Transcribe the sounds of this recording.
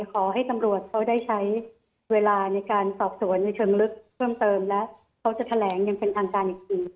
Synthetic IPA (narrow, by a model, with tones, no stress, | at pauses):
kʰɔː˩˦ɦa˥˩jt̪a˧mɾu˨˩ət̪̚kʰa˦˥wdaː˥˩jt͡ɕʰa˦˥j | weː˧laː˧na˧jkaː˧nsɔː˨˩p̚su˨˩˦ənːa˧jt͡ɕʰɤː˧ŋlɯ˦˥k̚pʰɤː˥˩mt̪ɤː˧mlɛ˦˥ | kʰa˦˥wt͡ɕa˨˩t̪ʰa˧lɛː˩˦ŋja˧ŋpe˧nt̪ʰaː˧ŋkaː˧nʔiː˨˩i˧ŋ